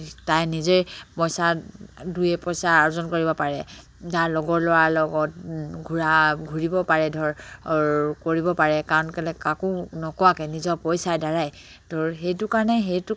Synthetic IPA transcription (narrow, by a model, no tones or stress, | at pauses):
tajnizeɹpɔjsadujɛpɔjsaaɹɔzɔnkoɹibɔpaɹɛ | taɹlɔɡɔɹlʊwaɹlɔɡɔt̚ɡʱuɹaɡʱuɹibɔpaɹɛdʱɔɹ | koɹibɔpaɹɛkaɹɔnkɛlɛkakonɔkɔwakɛnizɔpɔjsajdaɹaj | d̥ʱɔɹɦejtʊkaɹɔnɛɦejtʊ